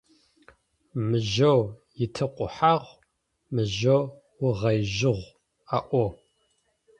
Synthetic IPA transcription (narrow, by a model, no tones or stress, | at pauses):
mɨʒɐwjɪtʰɐqʷʼʊ̰ħaʁʷ | mɨʒɐw | wʊʁɐjʒɪʁʷ | aʔʷo